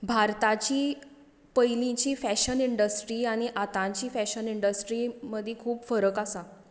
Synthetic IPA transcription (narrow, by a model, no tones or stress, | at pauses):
bʱaɾt̪at͡ɕiː | pəjlĩt͡ɕiːfæɕəniɳɖəsʈɾiːaɽ̃iʔat̪ãt͡ɕiːfɛɕəniɳɖəsʈɾiməd̪ʱːjekʰuːpfəɾəkasa